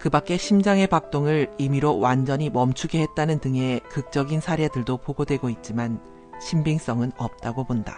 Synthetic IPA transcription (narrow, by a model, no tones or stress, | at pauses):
kɯbak͈e̞ɕʰimd͡ʑaŋe̞pak̚t͈oŋɯɾimiɾowand͡ʑʌɲimʌmt͡ɕʰuɡe̞ɦet̚t͈anɯntɯŋe̞kɯk̚t͡ɕ͈ʌɡinsʰaɾjedɯɭdopoɡodwe̞ɡoit̚t͡ɕ͈iman | ɕʰimbiŋs͈ʌŋɯnʌp̚t͈aɡobonda̰